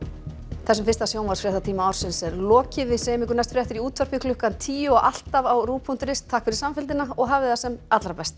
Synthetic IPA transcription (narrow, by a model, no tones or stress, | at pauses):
θɛsːʏmfɪ̥rst̪asjoːwnmvarsfɾɛht̪at̪ʰiːmaawɾ̥sɪnsɛɾlɔːcɪvɪsɛjɪmɪŋkʏɾnajst̪fɾjɛht̪ɪɾiuːt̪vœr̥pikʰlʏhkant̪ʰiːjʏɔɣʔal̥t̪avawruːpʰun̥t̪ɾɪst̪ʰaːhkfɪɾɪ̥samfɪlt̪ɪnaɔɣɦaːvɪðasɛmat̪lɾapɛst̪